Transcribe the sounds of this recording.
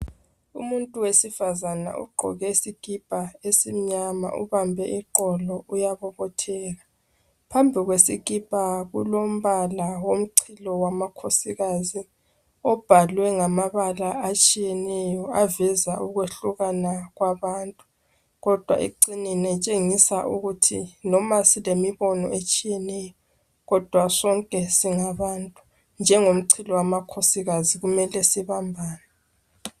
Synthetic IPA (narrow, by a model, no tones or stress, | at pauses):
ṵmuntʼuwesifazana̰ʔṵɡ͡ǃʱɔ̰ɣɛisiɣʼipʼaesim̩ɲama̰ʔṵβambʱɛiǃɔlɔujaβɔβɔtʰɛːla | pʰambʱiɣwesiɣʼipʼaɣulom̩βalawom̩ǀʰilɔwamakʰosiɣazi | ɔb̥ʱalwɛŋamaβalaːt͡ʃʼijɛnɛjɔavɛzaʔuɣweɬuɣanaɣwaβaːntʼu | ɣɔd̥ʱwa̰ḭǀininɛt͡ʃʼeŋisaʔuɣutʰḭnɔmasilemiβɔnɔ̰ʔet͡ʃʼijɛnɛjɔ | ɣɔd̥ʱwasɔŋkʼɛsiŋaβantʼu̥ | nd͡ʒʱɛŋom̩ǀʰilɔwamakʰosiɣaziɣumɛlɛsiβambʱaːnɛ